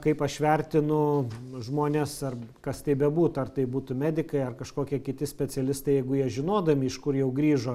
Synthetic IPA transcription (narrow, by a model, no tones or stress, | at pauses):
kɐɪpɐʃʋʲɛrʲt̪ʲɪnʊʒmoːnʲɛsɐrkɐst̪ɐɪbʲɛbuːt̪ʊɐrt̪ɐɪbuːt̪ʊmʲæːd̪ʲɪkɐɪɐrkɐʃkoːkʲiɛkʲɪt̪ʲɪsʲpʲɛt͡sʲɛlʲɪst̪ɐɪjɛɪɡʊjiɛʒʲɪnoːd̪ɐmʲɪɪʃkʊrjɛʊɡɾʲiːʒoː